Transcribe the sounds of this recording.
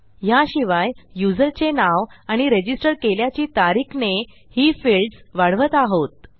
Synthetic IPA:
jaɕiʋajjud͡zəɾt͡ɕenaʋaɽ̃iɾed͡ʑisʈəɾkeljat͡ɕiːt̪aɾikʰne | hiːfelʈsʋaɽ̤ʋət̪aɦot̪̚

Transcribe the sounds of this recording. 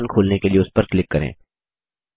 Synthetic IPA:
nkʰoːlnekelieʊspɐɾklɪkːɐɾḛ̃ː

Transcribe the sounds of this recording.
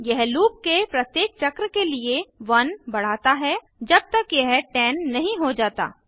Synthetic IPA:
jɛɦluːp̚kepɾɐt̪jeːk̚t͡ʃɐkɾəkelieʋɐnbɐɽ̤aːt̪aɦɛ | d͡ʒɐb̚t̪ɐkjɛɦʈɛːnːɐɦĩɦod͡ʒaːt̪a̰ː

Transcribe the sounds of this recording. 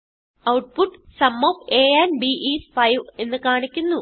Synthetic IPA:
ɐwʈ̚puʈːsɐmːopeːɐnbiʔisfɐjʋe̞nːɨkaːɳikʲːunːu

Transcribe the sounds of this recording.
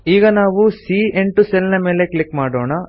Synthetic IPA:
iːɡɐnaːʋusiːeɳʈuselinɐme̞ːle̞klikːmaːɽoːɳɐ

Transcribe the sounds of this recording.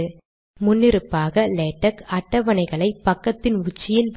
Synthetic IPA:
ɯ | mʊnːɪɾɯpːaːɣɐleːʈːɐkɐʈːɐʋɐnɐɪɣɐɭɐɪpɐkːɐt̪ːɪnʊt͡ʃːɪjɪlʋ

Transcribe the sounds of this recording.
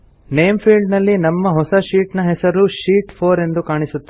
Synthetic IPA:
nejmpʰiːɭɖnɐlːinɐmːɐɦɔsɐʃiːʈnɐɦɛsɐɾuʃiːʈpʰoːɾe̞nd̪ukaːɳisut̪ːe

